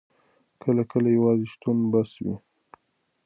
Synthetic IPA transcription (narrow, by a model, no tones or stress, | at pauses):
kʰəlakəlajawɑzeʃt̪unbaswḭ